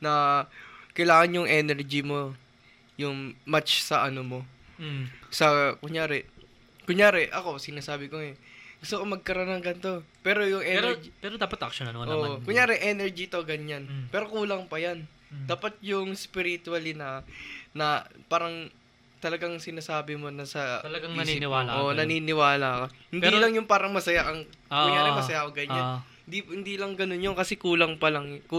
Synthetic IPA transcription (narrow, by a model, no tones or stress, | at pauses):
nɐ | kɐjlaːŋɐnjʊŋʔɛːnɛɹd͡ʒimo̞ | jʊŋmat͡ʃsɐʔɐnomo̞ | sɐkʊɲjaːɾɛ | kʊɲjaːɾɛʔɐko̞sɪnaːsaːbɪkoɛɡʊst̪okomɐɡ̚kɐɾɐnɐŋɡɐnt̪o̞pɛːɾo̞jʊŋʔɛpɛɾod̪aːpɐt̪ɐkʃonɐnoɐoːʔokʊŋɲjaːɾɛʔɛnɛɹd͡ʒit̪o̞ɡɐɲanpɛːɾo̞kuːlɐŋpɐjan | d̪aːpɐt̪̚jʊŋspɪɾit̪ʊɐlɪnɐnɐpaːɾɐŋ | t̪ɐlɐɡaŋsɪnasaːbɪmo̞nɐsɐɐlɐɡaŋːsɪnɪwaːlɐʔoʔnɐniːnɪwaːlakohɪnd̪iɾlɐŋjʊŋpaːɾɐŋmɐsɐjaʔɐŋ | kːʊŋjaːɾemɐs̬ɐjakoɡɐɲahnd̪ihɪnd̪iːlɐŋɡɐnonjonkɐsɛkuːlɐŋpɐlɐŋkː